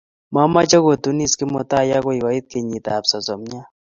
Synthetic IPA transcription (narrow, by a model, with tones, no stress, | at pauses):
ma˦ma˦t͡ʃa˦ko˨t̪u˦ni˦ski˦mɔ˨t̪a˦ja˦kɔ˦i˨wa˨i˦t̪̚ke˨ɲi˨t̪a˨psɔ˨zɔ˨mɲa˦